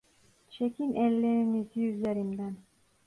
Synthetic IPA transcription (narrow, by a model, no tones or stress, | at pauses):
t͡ʃʰekʲinʔɛlːeɾiniziyzeɾimd̪æn